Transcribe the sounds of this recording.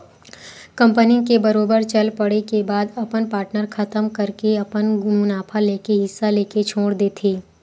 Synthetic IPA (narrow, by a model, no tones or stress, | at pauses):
kɐ̃mpənikebɐɾoːbəɾt͡ʃɐlpɐɽekebaːd̪ɐpənpaːɾʈnəɾkʰɐt̪əmkɐɾkeɐpənmʊnaːpʰaleːkeɦɪsːaleːket͡ʃʰoːɽd̪eːt̪ʰeː